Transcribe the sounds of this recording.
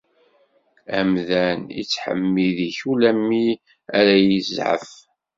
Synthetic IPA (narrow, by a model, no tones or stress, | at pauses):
æmðænḭt͡sːħə̰mːiðiçulæmːi | æɾæjizʕə̰f